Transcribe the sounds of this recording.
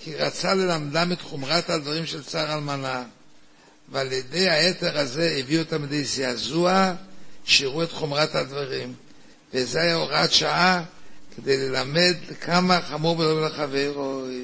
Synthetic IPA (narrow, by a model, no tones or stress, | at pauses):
kʰiʁat͡sale̞lamdamet̪χomʁathad̪vaʁimʃelt͡saʁalmana | vealjede̞jhaete̞ʁaze̞eviot̪amid̪ejzeazuaʃiʁue̞t̪χomʁathad̪vaʁim | vezeajaoʁatʃaaked̪e̞jle̞lame̞d̪lekʰamaχamuʁbelovlaχaveʁo